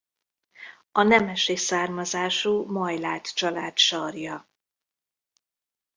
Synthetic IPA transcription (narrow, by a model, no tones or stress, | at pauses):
ɒnɛmɛʃeːsaːrmɒzaːʃuːmɒjlaːt̪t͡ʃɒla̰ːt̪ʃɒrjɒ